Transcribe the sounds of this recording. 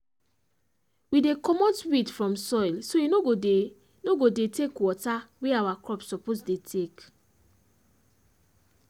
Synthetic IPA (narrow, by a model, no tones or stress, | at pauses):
widekɔmɔtwidfɹɔ̃msɔjlsoinoɡo | noɡodetekwɔtaweawakɹɔpsɔpozdetʰek